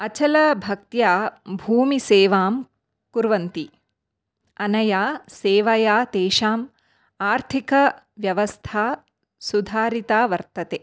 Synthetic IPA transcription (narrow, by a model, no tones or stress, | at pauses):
ɐt͡ʃɐlɐbʱɐk̚t̪jaːbʱuːmiseːʋaːm | kuɾʋɐnt̪i | ɐnɐjaːseːʋɐjaːt̪eːʃaːm | aːɾt̪ʰikɐ | ʋjɐʋɐst̪ʰaː | sud̪ʱaːɾit̪aːʋɐɾt̪ɐt̪eː